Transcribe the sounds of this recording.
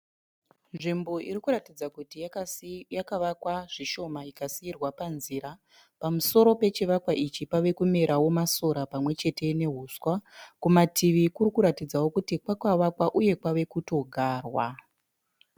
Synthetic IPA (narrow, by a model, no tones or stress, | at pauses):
nʐimbo̞ʔiɾikuɾatid͡zakutijakaʋakwaʐiʃo̞maikasiːrwapanziːɾa | pamuso̞ɾo̞pe̞t͡ʃiʋakwaʔit͡ʃipaʋe̞kume̞ɾawo̞maso̞ɾapamwe̞t͡ʃe̞te̞ne̞ɦuːswakumatʰiʋikurikuɾatid͡zawo̞kutikwakwaʋakwaʔuje̞kwaʋe̞kuto̞ɡʱaːrwa